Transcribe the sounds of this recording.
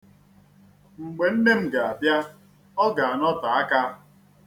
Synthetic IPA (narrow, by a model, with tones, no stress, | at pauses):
ŋ͡m̩˨ɡ͡be˨n̩˦ne˦m̩˨ɡa˨a˨bja˦ | ɔ˦ɡa˨a˨nɔ˦ta˨a˦ka˦˨